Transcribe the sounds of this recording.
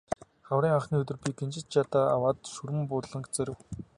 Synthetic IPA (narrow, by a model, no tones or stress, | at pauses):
χawɾiːŋaχniːɵt̪̬ɵ̆rpʲiɡent͡ɕɪ̆t̪t͡ɕat̪aːa̰waːt̪suɾɘ̆mpʊt̪ɮə̆ŋkt͡sæɾʲɘ̆w